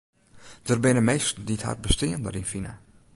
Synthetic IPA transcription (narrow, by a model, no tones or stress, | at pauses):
d̥ərbɪnəmeːstditha̰rt̚bəstɪəndərinfinə̰